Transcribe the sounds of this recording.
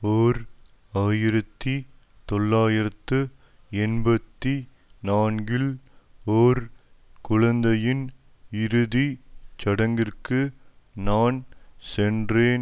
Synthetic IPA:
oːɾ | aːjɪɾɐt̪ːi | t̪ɔɭːaːjɪɾɐt̪ːɯ | ɛnbɐt̪ːi | naːnɡɪloːɾkʊɻɐnd̪ɐjɪn | ɪɾɯðit͡ʃɐɽɐŋɡɪrkɯ | naːnsɛndreːn

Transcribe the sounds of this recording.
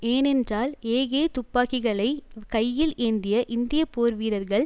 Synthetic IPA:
eːnɛndraːleːɣeːt̪ʊpːaːɣɪɣɐɭɐɪkɐjːɪlʔeːnd̪ɪjɐʔɪnd̪ɪjɐpoːɾʋiːɾɐɾɣɐɭ

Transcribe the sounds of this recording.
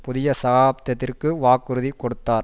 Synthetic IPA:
pʊðɪjɐsɐɣaːbt̪ːɐt̪ːɪrkɯʋaːkːɯɾɯðikːɔɽɯt̪ːaːɾ

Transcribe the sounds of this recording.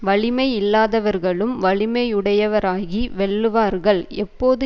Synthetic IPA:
ʋɐɭɪmɐɪɪlːaːðɐʋɐɾɣɐɭɯmʋɐɭɪmɐɪʊɽɐjɐʋɐɾaːɣiʋɛɭːɯʋaːɾɣɐɭɛpːoːðɯ

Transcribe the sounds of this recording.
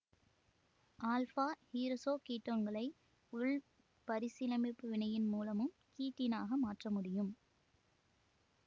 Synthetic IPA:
ʔaːlfaːhiːɾɐsoːkiːʈːoːnɡɐɭɐɪ | ʊɭ | pɐɾɪsɪlɐmɪpːɯʋɪnɐjɪnmuːlɐmɯm | kiːʈːɪnaːɣɐmaːʈrɐmʊɽɪjɯm

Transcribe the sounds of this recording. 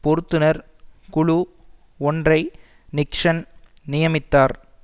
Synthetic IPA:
pɔɾɯt̪ːɯnɐɾ | kʊɭu | ɔndrɐɪ | nɪkʂɐn | nɪjɐmɪt̪ːaːɾ

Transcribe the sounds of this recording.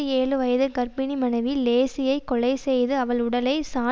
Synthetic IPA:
ɯeːlɯʋɐjɐðɯɡɐɾbɪnimɐnɐɪʋileːsɪjɐɪkːɔɭɐɪsɛjðɯɐʋɐɭʊɽɐlɐɪsaː

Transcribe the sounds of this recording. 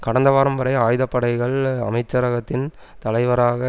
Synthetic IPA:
kɐɽɐnd̪ɐʋaːɾɐmbɐɾɐɪaːjðɐpːɐɽɐɪɣɐɭɐ̰mɐɪt͡ʃːɐɾɐɣɐt̪ːɪn | t̪ɐlɐɪʋɐɾaːɣɐ

